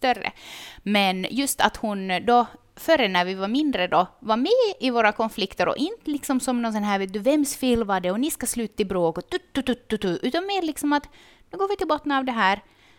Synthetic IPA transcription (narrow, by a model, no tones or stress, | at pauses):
st̪œrːə̰mɛnjɵst̪a̰t̪hʊnd̪ɔ | fœɾːənæɾvɪvaɾmɪnd̪ɾəd̪ɔvaɾmɛːɪvoːɾakɔnflɪkt̪əɾɔ̰ʔɪnt̪əlɪksɔmsɔmnɔnsɛnɦæːɾveːt̪̚d̪ʉvɛmsfɪlːvɑɖ̪ɛɔnɪskaslʉːt̪ḁɪbɾoːkɔt̪ʉt̪ːʉt̪ʉt̪ːʉt̪ʉʔʉ̟ːt̪anmeːɾlɪksɔmat̪ | nʉːɡoːvɪt̪ɪlbɔt̪ːənɑvd̪ɛɦæːɾ